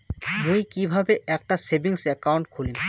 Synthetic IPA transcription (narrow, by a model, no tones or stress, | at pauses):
mujkibʱabeɛk̚ʈasebiŋsɛkawɳʈkʰolim